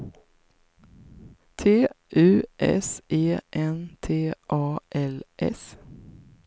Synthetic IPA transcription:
t̪ʰeːʔʉːʔɛ̰seːʔɛnt̪ʰeːʔɑːʔɛlʔɛ̰s

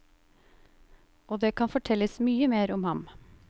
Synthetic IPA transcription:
oːd̪eːkʰɑnfɔʈʰɛləsmyːəmeːɾɔmhɑm

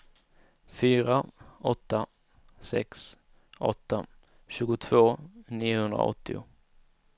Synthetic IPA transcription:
fyːɾaɔt̪ːa | sɛ̰ks | ʔɔ̰t̪ːa | ɕʉ̟ːɡʊt̪ʰv̥oːniːʊhɵnd̪ɾa̰ɔ̰t̪ːɪ̰ʊ̰

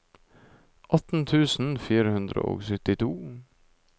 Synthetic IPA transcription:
ʔɑt̪n̩t̪ʰʉːsn̩fiːɾəhʉnd̪ɾə̰o̰ːsʏt̪ɪt̪ʰuː

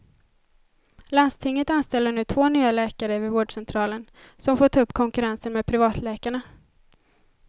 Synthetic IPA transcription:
land̪st̪ʰɪŋːət̪anst̪ɛlːəɳʉ̟ːt̪ʰvoːnyːalɛːkaɾəvɪvoːɖʂɛnt̪ʰɾɑːlən | sɔmfoːʈʰɑɵpːkʰɔŋkɵɾansənmeːd̪̚pʰɾɪvɑːt̪lɛːkaɳa

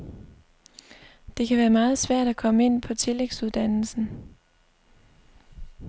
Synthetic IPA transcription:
d̥e̝kʰæʋæːɐmɑ̈ːð̩ˠsʋæɐ̰ɾ̥ækʰɒ̽məe̝n̰pʰɒ̽t͡sʰe̝leɡ̥suðˠd̥æn̰l̩sn̩

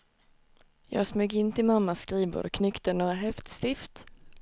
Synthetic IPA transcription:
jɑ̰ːɡsmʉːɡɪnt̪ʰɪlmamːaskɾiːbə̰ɾkʰnʏkt̪ənoːɾaɦɛft̪st̪ɪft̪

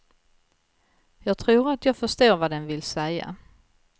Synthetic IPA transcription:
jɑːɡ̚t̪ʰɾuːɾat̪ʰjɑːɡfœʂt̪oːɾvad̪ɛnvɪlsɛja̰

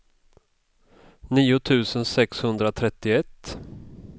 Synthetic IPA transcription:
niːʊt̪ʰʉ̟ːsənsɛkshɵnd̪ɾat̪ʰɾɛt̪ːɪɛt̪ː

